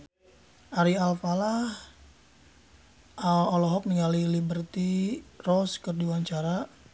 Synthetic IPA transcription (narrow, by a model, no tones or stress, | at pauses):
ʔaɾialfalah | alɔlɔɦɔk̚niŋalilibərt̪irɔskərduwaɲt͡ʃaɾa